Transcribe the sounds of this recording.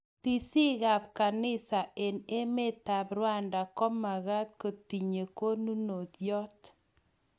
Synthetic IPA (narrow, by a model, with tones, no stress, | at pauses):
ti˦˨si˦ɣa˨p̚ka˨nɪ˦sa˨ʔe˨ne˦me˦ta˨prwa˦nda˨kɔ˦ma˨ɣa˦t̪̚ko˨ti˨ɲe˨ko˦nu˦no˨t̪jɔ˦t